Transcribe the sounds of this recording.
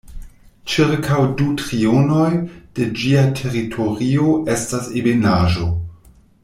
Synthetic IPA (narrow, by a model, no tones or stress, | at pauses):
t͡ʃiɾkʰawdutɾiono̞jd̥e̞d͡ʒiatʰe̞ʁitʰo̞ɾio̞ʔe̞stasebenaʒo̞